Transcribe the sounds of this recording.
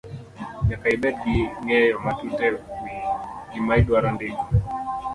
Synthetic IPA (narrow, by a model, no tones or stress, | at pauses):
ɲakaiɓɛt̚iŋɛjɔmatutɛwiɡimaidwaɾandiɡu